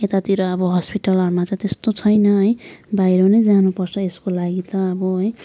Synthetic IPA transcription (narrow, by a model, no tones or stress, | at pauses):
et̪at̪iɾʌːbʌɦʌspiʈʌlʌɾumat͡sãj̃t̪est̪ot͡sʰʌjnʌɦʌjbajɾʌnʌjd͡zanupʌrt͡sʰʌeskolaɡit̪ʌːbʌʌj